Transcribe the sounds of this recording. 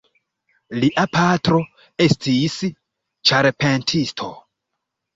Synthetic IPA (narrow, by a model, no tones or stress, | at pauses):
liʔapʰatɾo̞ | e̞stʰis | t͡ʃaɾepentʰistʰo̞